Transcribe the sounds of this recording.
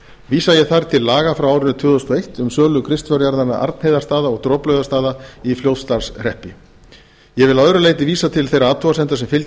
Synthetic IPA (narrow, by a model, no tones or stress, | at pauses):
viːsajɛɣθaɾ̥t̪ʰɪlːaːɣafɾawawɾɪnʏt̪ʰʏːðɔst̪ɔejht̪ʏmsœːlʏkʰɾɪst̪fœɾjaɾðana̰ʔa̰ɾt̪nhejðast̪aːðaɔɣt̪ɾɔplœɥðast̪aːðaifljoːwt̪st̪aɾsr̥ɛhpɪ | jɛvɪlaœðɾʏleːjt̪̬ɪviːsat̪ʰɪlθejraaːt̪ʰuvasɛnt̪asɛmfɪl